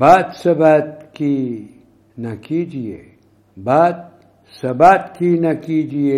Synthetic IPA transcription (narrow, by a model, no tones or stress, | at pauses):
baːt̪sɐbaːt̪̚ki | nɐkiːd͡ʒiḛː | baːt̪̚ | sɐbaːt̪kinakiːd͡ʒieː